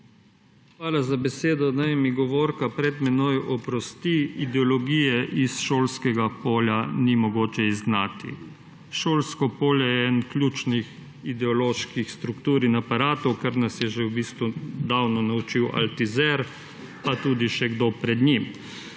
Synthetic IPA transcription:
xʋaːlazabɛseːd̪ɔnajmiɡɔʋoːɾkapɾɛd̪mɛnojʔɔpɾɔst̪iid̪ɛɔlɔɡijɛʔisʃoːlskɛɡapoːljanimɔɡoːt͡ʃɛizɡnat̪ḭ | ʃoːlskɔpoːljɛɛnklʲjuːt͡ʃnix | id̪ɛɔloːʃkixst̪ɾukt̪uːɾinapaɾaːt̪ukaɾnasjɛʒewbiːst̪ʋud̪aːwnɔnaut͡ʃiwʔa̰lt̪izɛɾ | pat̪uːd̪iʃɛɡd̪opɾɛd̪nim

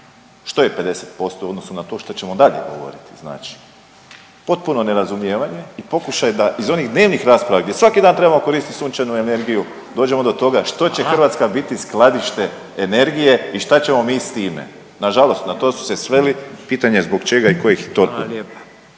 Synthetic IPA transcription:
ʃt̪oje̞pe̞d̪e̞set̪̚po̞st̪ouod̪no̞sunat̪o̞ːʃt̪at͡ɕe̞mo̞d̪aʎḛɡo̞̰ʋo̞̰ɾḭt̪i̥zna̰ːt͡ʃi̥ | po̞t̪̚puno̞ne̞ɾazumjeːʋaɲe̞ipo̞kuʃajed̪aʔizo̞nixd̪ne̞ːʋnixɾaːspɾaʋaɡd̪jesʋakid̪aːnt̪ɾebamo̞ko̞ɾiːst̪it̪sunt͡ʃanue̞ne̞ɾɡiju | d̪oːd͡ʑe̞mo̞d̪o̞t̪o̞ɡaʃt̪o̞t͡ɕe̞xr̩ʋat̪skabit̪isklˠad̪iʃt̪e̞ | ene̞ɾɡije̞iʃt̪at͡ɕe̞mo̞miːst̪iːmḛ | naʒalo̞st̪nat̪osu̥se̞sʋe̞lipiːt̪aɲe̞zbo̞ɡt͡ʃe̞ɡaiko̞jixt̪ou

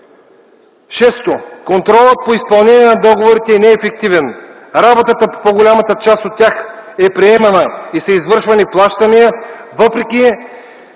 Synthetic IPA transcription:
ʃɛst̪okont̪ɾɔlˠət̪̚poispɐlˠnɛniɛnɐd̪ɔɡovoɾit̪ɛːnɛːfɛk̚t̪ivɛn | ɾabot̪ət̪əpopoɡolʲamɐt̪ət͡ʃast̪ot̪ʲːjaxɛpɾiɛmɐnəisɐizvɤɾʃvɐniplˠaʃt̪ɐnijəvɤpɾɛkʲi

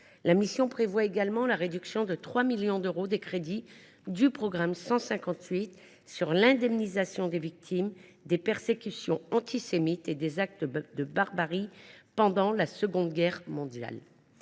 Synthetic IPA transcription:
lamisjɔ̃pχevwaeɡalmɑ̃laʁed̪yksjɔ̃d̪ət̪χwamiljɔ̃d̪øʁod̪ekχed̪i | d̪ypχɔɡʁamsɑ̃sɛ̃kɑ̃t̪ɥit̪ | syʁlɛ̃d̪ɛmnizasjɔ̃d̪evik̚t̪ʰimd̪epɛʁsekʲysjɔ̃ɑ̃t̪ʰisemit̪ed̪ezak̚t̪əd̪əbaʁbaʁipɑ̃d̪ɑ̃lasəɡɔ̃d̪ɡʲɛʁmɔ̃d̪ja̰l

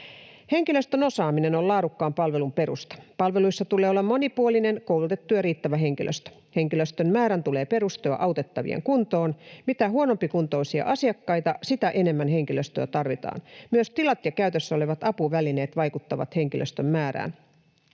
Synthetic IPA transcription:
he̞ŋkiløst̪øno̞sɑːmine̞nolɑːɾukːɑːmpɑlʋe̞lumpe̞ɾṵst̪ɑ̥pɑlʋe̞luisːɑt̪uleolːɑmːo̞nipuoline̞nko̞wlut̪e̞t̪ːujɑɾiːt̪ːæʋæɦe̞ŋk̟ilʔøst̪ø̥ | he̞ŋkiløst̪ømmæːɾænt̪ule̞ːpe̞ɾust̪oɑ̰ʔɑut̪e̞t̪ːɑʋḭḛŋkunt̪oːnmit̪æɦuono̞mpikunt̪o̞isiɑ̰ʔɑsiɑkːɑjt̪ɑsit̪æʔe̞ne̞mːænɦe̞ŋkiløst̪øːt̪ɑrʋit̪ɑ̰ːnmyøst̪ilɑt̪jɑkæyt̪øsːo̞leʋɑt̪ɑpuʋæline̞ːt̪ʋɑjkut̪ːɑʋɑ̰t̪he̞ŋk̟ilʔø̰st̪ømːæːɾæ̰ːn

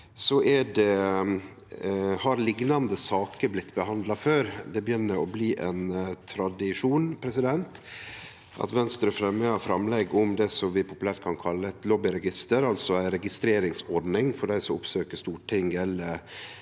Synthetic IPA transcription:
sɔʔɛɖɛ | hɑɾlɪɡnɑnd̪əsɑːkəɾblɪt̪ːbəhɑnd̪lɑføːɾd̪ɛbəjʏnːəɾɔbliːʔɛnt̪ʰɾɑd̪ɪʂuːnpʰɾɛsɪd̪ɛnt̪ | ʔɑ̰t̪ʋɛnst̪ɾʉfɾɛməɑfɾɑmlɛɡʊmd̪ɛsɔmʋɪpʰʊpʉlæɾʈ̪̚kʰɑnkʰɑlːəɛt̪lɔbɪɾɛɡɪst̪əɾɑlsɔæɪɾɛɡɪst̪ɾeːɾɪŋsɔɖnɪŋfɔɖæɪsɔmʊpsøːkəʂt̪uːʈʰɪŋɛlə

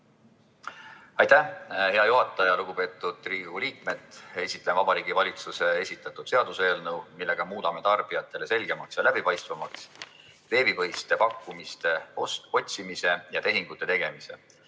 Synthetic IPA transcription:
ɑjt̪æhe̞ɑjuɦɑt̪ːˑɑjɑluɡ̥upe̞ːt̪ːˑud̪̥̚riːuliːk̚me̞d̪e̞sʲit̪ːˑlenvɑb̥ɑɾiːɡivɑlʲit̪suse̞e̞sʲit̪ːˑɑt̪ːˑud̪̥se̞ɑd̪̥use̞ːlnɤwmilːe̞ɡ̥ɑmuːd̪ɑme̞t̪ɑrb̥ijɑt̪ːˑe̞le̞se̞lʲɡ̥e̞mɑksjɑlæb̥ipɑjst̪vɑmɑks | ve̞ːbivɤjst̪e̞pɑkːumist̪e̞oso̞t̪ʲsimise̞jɑt̪e̞ɦiŋɡ̥ut̪ːˑe̞t̪e̞ɡ̥e̞mise̞̰

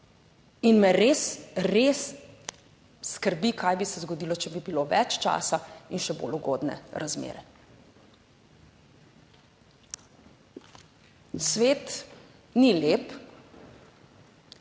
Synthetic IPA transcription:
inmɛɾeːsɾes | kəɾbikajbisɛzɡɔd̪iːlɔt͡ʃɛbibiloːʋɛ̰t͡ʃt͡ʃa̰ːsainʃɛbo̰luɡo̰ːd̪nɛ̰ɾazmḛːɾɛ | sʋeːt̪ | nileːp

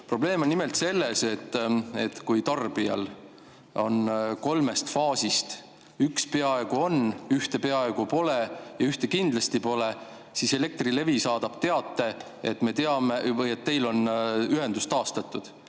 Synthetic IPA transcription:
pro̞ble̞ːmonːime̞lt̪se̞lːe̞se̞t̪ːe̞t̪kujt̪ɑrb̥iɑ̰l | o̞̰nko̞lme̞st̪fɑːsist̪ | ykspe̞ɑe̞ɡ̥uo̞nyht̪e̞pe̞ɑe̞ɡ̥upo̞le̞jɑyht̪e̞kind̪̥lɑst̪ipo̞le̞ | sise̞le̞k̚t̪rile̞visɑːd̪̥ɑb̥t̪e̞ɑt̪ːˑe̞ | et̪me̞t̪e̞ɑmevɤjet̪ːe̞jlo̞nyɦe̞nd̪ust̪ɑːst̪ɑt̪ːˑud̪̥

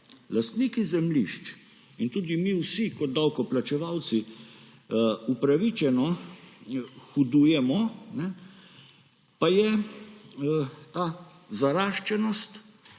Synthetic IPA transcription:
last̪niːkizɛmliʃt͡ʃ | int̪uːd̪imiwsikɔd̪̚d̪awkɔplat͡ʃɛʋawt̪si | upɾaʋit͡ʃɛnɔ | xud̪uːjɛmɔnɛ | pajɛ | t̪aː | zaɾaːʃt͡ʃɛnɔst̪

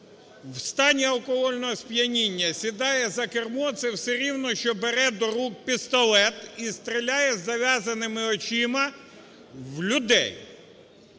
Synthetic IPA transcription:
wst̪ɑnʲiɐlˠkɔɦɔlʲnɔɦɔspʲjɐnʲinʲːɐsʲid̪ɑjɛzɐkermɔt̪sɛwsɛɾʲiwnɔʃt͡ʃɔbeɾɛd̪ɔɾuk̚pʲist̪ɔlˠɛt̪ist̪ɾʲɪlʲajɛzɐʋʲjazɐnɪmɪɔt͡ʃimɐ | wlʲʊd̪ɛ̰j

